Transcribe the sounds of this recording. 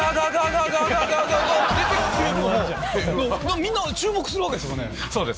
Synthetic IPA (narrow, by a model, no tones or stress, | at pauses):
aɡaɡaɡaɡaɡaɡaɡaɡad̪et̪ekkɾed̪o | eomamʲĩnːat͡ɕɨːmo̞kɯ̟̥sɨɾɯβaked̪esɨjonḛ | soːd̪es